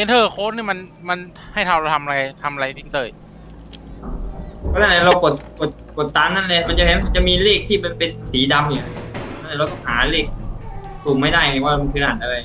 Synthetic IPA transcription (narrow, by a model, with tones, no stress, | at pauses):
e˧ntʰɤː˧˩kʰoː˦˥t̪̚niː˥˩ma˧nma˧n | ha˥˩jt̪ʰa˧wɾa˧wt̪ʰa˧ma˧a˧a˧jt̪ʰa˧mʔa˧ɾa˧jt̪ʰi˧˩ŋt̪ɤː˧˩j | pʰɔ˧˥na˥˩na˧˩ɾa˧wko˨˩t̪̚ko˨˩t̪̚ko˨˩t̪ːaː˧mna˥˩nle˧ma˧nt͡ɕa˨ʔɦe˨˦nʰa˧˩t͡ɕa˨˩ʔmiː˧liː˥˩k̚t̪ʰiː˥˩bɛː˨˩pe˧nsiː˩˦da˧mhi˨˩˦ɔ˦˥nʰa˥˩na˧˩ɾa˧wka˥˩haː˩˦liː˥˩k̚su˨˩mːa˥˩jda˥˩jeː˧˩waː˥˩˧m˧kʰɯː˨˦naː˨˩nʔa˧ɾa˧j